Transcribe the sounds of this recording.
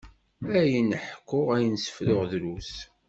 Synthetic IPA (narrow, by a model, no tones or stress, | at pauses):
æjənəħkːʊʁæjənsə̥flʊʁðlus